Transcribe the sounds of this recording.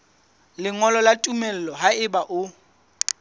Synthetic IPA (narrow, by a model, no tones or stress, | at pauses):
lɪŋɔlɔlatʼumɛl̩lɔɦaɪbaʔʊ